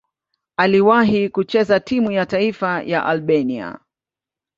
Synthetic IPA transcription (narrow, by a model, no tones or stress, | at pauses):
aliwaɦikut͡ʃɛzatimujataifaja̰ʔalɓɛnia̰